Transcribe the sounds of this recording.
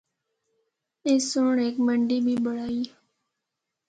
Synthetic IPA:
eːsoːɳeːkməɳɖiːbʱiːbəɽ̤aːiː

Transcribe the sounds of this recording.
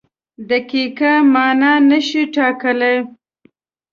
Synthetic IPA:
d̪əkikamɑnɑnəʃiʈɑkəlej

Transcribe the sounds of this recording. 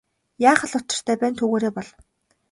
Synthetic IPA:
jaːχə̆ɮʊt͡ɕɪ̆r̥t̪ʰæːpæːnt̪ʰɵɣoːɾeːpɔɮ

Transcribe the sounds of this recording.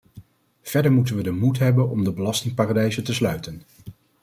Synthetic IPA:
v̥ɛɹdəɹmutənʋədəmutɦɛbənɔmdəbəlɑstɪŋpaːradɛjzətəslœɥtən

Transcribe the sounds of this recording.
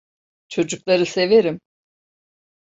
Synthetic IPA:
t͡ʃʰo̞d͡ʒuklˠaɾɯse̞veɾim

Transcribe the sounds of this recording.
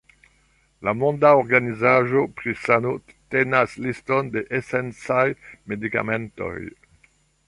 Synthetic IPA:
lamõndaoɾɡanizaʒo̞pɾisano | tenaslistondeʔesent͡sajmedika̰mento̰j

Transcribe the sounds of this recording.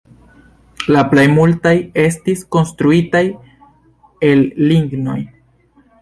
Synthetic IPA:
laplejmultaje̞s̬tisko̞nstɾuitaj | e̞lːiŋɡno̞̰j

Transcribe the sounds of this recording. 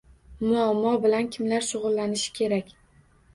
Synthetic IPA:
mʊamːɒbɪlankʲʰɪmlaɾʃʊʁʊlːanɪʃɪ̥kʲʰe̞ɾakʲ

